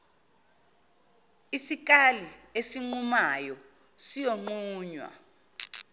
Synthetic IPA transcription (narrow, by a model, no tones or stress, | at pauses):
isik̬ʼaliesiŋ͡ǃumajɔ | sijoŋ͡ǃuːɲwa̰